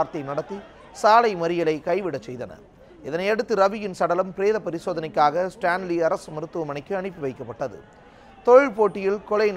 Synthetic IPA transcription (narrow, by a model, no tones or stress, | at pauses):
ɾt̪ɐɪnɐɽɐt̪ːi | saːlɐɪmɐɾɪjɐlɐɪkɐɪʋɪɽɐt͡ʃːɛjðɐnɐ̰ | ɪðɐnɐɪɐɽɯt̪ːɯɾɐʋɪjɪnsɐɽɐlɐmpɪɾeːðɐpɐɾɪsoːðɐnɐɪkːaːɣɐsʈaːnliɐɾɐsɯmɪɾɯt̪ːɯʋɐmɐɳɪkːɯɐɳɪpːɯʋɐɪkːɐpːɐʈːɐðɯ̰ | t̪ɔɻɪɻpoːʈːɪjɪlkɔlɐɪn